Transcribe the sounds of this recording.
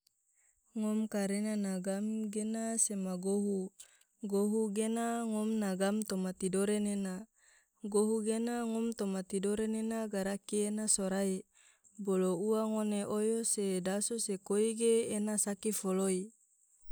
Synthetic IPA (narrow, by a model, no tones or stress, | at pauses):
ŋɔmkaɾenanaɡamɡenasemaɡoɦu | ɡoɦuɡenaŋɔmnaɡamt̪omat̪idoɾenena | ɡoɦuɡenaŋɔmt̪omat̪idoɾenenaɡaɾakienasoɾai | bolouaŋoneʔojosedasosekoiɡeːnasakifoloi